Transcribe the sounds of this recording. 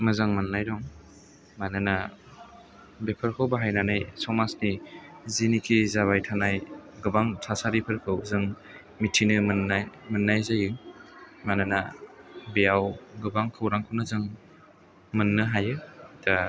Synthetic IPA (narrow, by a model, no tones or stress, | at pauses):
mɯzaŋmɯnːajdɔŋ | manɯna | bepʰɯɾkʰɯwbaɦajnanajsɔmasnizinikʰizaβajtʰanajɡɯbaŋtʰasaɾipʰɯɾkʰɯwzɯŋ | mitʰinɯmɯnamɯnːajzajɯ | manɯnabejawɡɯbaŋkʰɯwɾaŋkʰɯwnɯzɯŋ | mɯnːɯɦajɯtʰa